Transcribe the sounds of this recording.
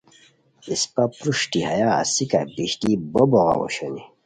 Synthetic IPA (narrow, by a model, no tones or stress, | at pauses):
ispapɾuʂtihaja̰ːsika̰biɕt̪ibɔbɔɣa̰wɔ̰ɕɔni